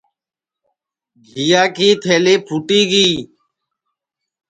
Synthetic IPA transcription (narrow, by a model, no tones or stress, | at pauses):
ɡʱijaːkiːt̪ʰeːleːpʰuːʈiːɡiː